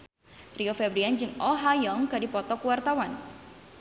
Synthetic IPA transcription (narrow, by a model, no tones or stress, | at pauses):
riofɛbɾiand͡ʒɨŋɔɦajɔŋkadipɔt̪ɔkuwart̪awan